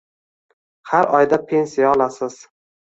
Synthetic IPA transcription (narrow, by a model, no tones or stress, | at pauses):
haɾɒjd̪apʰe̞nsijaɒlˠasɪz̥